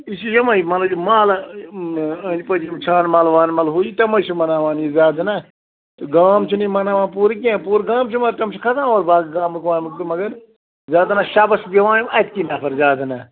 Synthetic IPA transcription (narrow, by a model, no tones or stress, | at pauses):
isijɐmɐimɐlɐd͡ʒmaːl | ɐd͡ʒʲpɐd͡ʒimt͡ʃʰaːnmaːlʋaːnmɐlɦuit̪ɐmɐt͡ʃʰimɐnaːʋaːnizaːd̪ɐna | t̪ɨɡaːmt͡ʃʰinimɐnaːʋãːnpuːɾik̬iãːpuːɾɡaːmt͡ʃʰimɐɾt̪ɐmt͡ʃʰikʰɐzãːoːɾbaːɡɡaːmɨkʋãːmɨkt̪ɨmɐɡɐɾ | zaːd̪ɐnaːʃabɐsbɐʋãːnimɐt̪kinaːpʰɐɾzaːd̪ɐnaː